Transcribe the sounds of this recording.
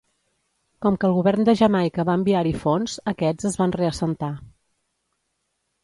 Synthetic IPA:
kɔmkəːlˠɣuβɛrnd̪əʒəmajkəβaəmbiaɾifonz̥əkɛd͡zəzβanreəsənt̪a

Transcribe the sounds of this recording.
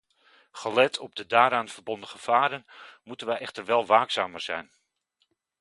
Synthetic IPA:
χəlɛtʰɔb̚dədaːɾaːnv̥əɹbɔndəχəv̥aːɾənmutənʋɛjʔɛχtəɹʋɛlˠʋaːksaːməɹz̥ɛ̰jn

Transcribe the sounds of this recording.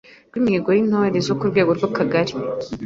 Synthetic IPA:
ɾɡwimieɡoɾinoaɾezokuɾɡweːɡo̞ɾɡwakaɡaɾi

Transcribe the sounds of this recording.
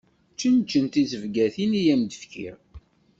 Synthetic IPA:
t͡ʃːənt͡ʃːənt̪izəvɡæθinijæmd̪əfkḭɾ

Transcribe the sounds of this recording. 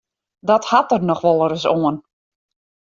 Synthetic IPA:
dɔthatərnɔxʋɔlˠəɾəsoən

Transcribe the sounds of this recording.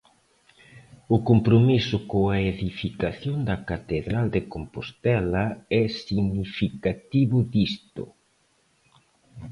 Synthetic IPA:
ʊkompɾomisʊkoaeðifikaθjoŋd̪ɐkat̪eðɾald̪ekompost̪ɛlɐɛsiɣnifikat̪iβʊðist̪ʊ̰

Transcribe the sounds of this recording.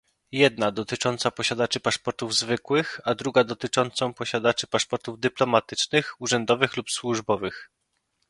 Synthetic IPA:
jɛd̪̚nad̪ɔt̪ɘt͡ʂɔnt̪sapɔɕad̪at͡ʂɘpaʂpɔɾt̪uvzvɘkwɘxad̪ɾuɡad̪ɔt̪ɘt͡ʂɔnt̪sɔ̃w̃pɔɕad̪at͡ʂɘpaʂpɔɾt̪uvd̪ɘplɔmat̪ɘt͡ʂnɘxuʐɛnd̪ɔvɘxlupswuʐbɔvɘx

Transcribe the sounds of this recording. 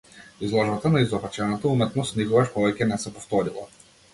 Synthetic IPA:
izlˠɔʒbat̪anaizɔvat͡ʃɛnat̪aumɛt̪nɔst̪nikɔvaʃpɔvɛcʲɛnɛsɛpɔft̪ɔɾilˠa̰

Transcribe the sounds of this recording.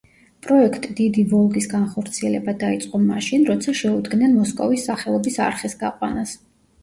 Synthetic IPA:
pʼɾɔɛkʰt̪ʼid̪id̪ivɔlˠɡisɡanχɔɾt̪sʰiɛlɛbad̪ait̪sʼqʼɔmaʃinɾɔt̪sʰaʃɛud̪ɡnɛnmɔskʼɔvisːaχɛlˠɔbisa̰ɾχɛsɡaqʼwanas

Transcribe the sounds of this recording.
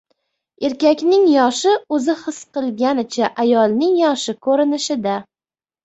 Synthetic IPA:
e̞ɾkʲakʲnɪŋjɒʃɪɵzɪχɨsqɨlˠɡʲanɪt͡ʃʰaʔajɒlˠnɪŋjɒʃɪkʰɵɾɪnɪʃɪd̪a

